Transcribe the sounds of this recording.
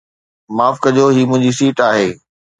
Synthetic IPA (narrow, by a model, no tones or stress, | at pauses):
maːfkɐd͡ʑoːɦiːmʊ̃ɦɪ̃ɲd͡ʑisiːʈaːɦeː